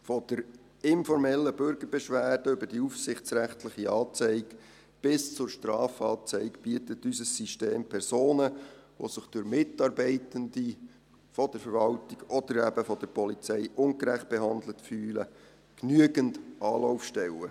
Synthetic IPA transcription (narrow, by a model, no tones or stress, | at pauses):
fɔd̥əɾ | ɪnfɔɾmɛlːəbʏɾɡəɾbɛʃʋæːd̥əʏbəd̥iufsɪχt͡sɾæχtʰlɪχiɑːt͡sɛɪɡ̥ | b̥ɪst͡sʊɾʃtɾɑːfɑːt͡sɛɪkb̥iətətysəsːiʃteːmpʰɛɾsoːnəʋo̰sɪχd̥ʊɾmɪtɑːɾbɛɪtəndi | fɔd̥əɾfɛɾʋɑltiɡ̥ɔd̥̪əɾæbəfɔd̥əɾpɔlit͡sɛɪʔʊŋkɾæχt̚b̥ɛɦɑnd̪lətfyːlə̰ | knyəɡəndɑːlɔʊfʃtɛlə